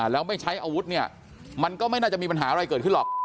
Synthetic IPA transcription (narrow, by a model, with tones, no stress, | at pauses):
lɛː˦˥wma˥˩jt͡ɕʰa˦˥jʔaː˧wu˦˥t̪̚ni˥˩ɐ | ma˧nkɔː˥˩ma˥˩jnaː˥˩t͡ɕa˨˩miː˧pa˧nɦaː˩˦ʔa˧ɾa˧jkɤː˨˩t̚kʰɯ˥˩nlɔ˨˩